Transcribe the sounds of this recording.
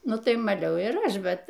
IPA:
ˈnʊ ˈtɐɪ mɐˈlʲɛʊ ɪr ˈɐʃ ˈbʲɛt

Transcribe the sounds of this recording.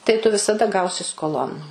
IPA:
tɐɪ tʊ ʋʲɪsɐˈdɐ ˈɡɐʊsʲɪ skoːˈlˠoːn

